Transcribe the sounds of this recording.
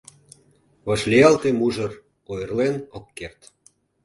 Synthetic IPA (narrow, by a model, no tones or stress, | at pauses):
βɑʃlʲeɑlt̪emuʒɤ̆r | ojərlenokːert̪